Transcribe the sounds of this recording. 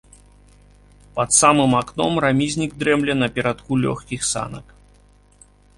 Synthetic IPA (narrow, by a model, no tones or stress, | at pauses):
pɐt̪samɨmaknɔmramʲizʲnʲiɡ̚d̪ɾɛmlʲɛnɐpʲɛɾat̪kulʲɔ̰xkʲixsa̰nɐk